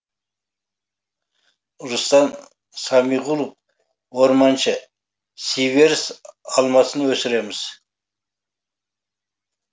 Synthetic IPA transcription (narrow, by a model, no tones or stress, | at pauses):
ʊɾʊst̪ɑn | sɑmijʁulˠəf | woɾmɑnʃə | sive̞ɾɪsɑlˠmɑsənwɵsɪɾe̞mɪz̥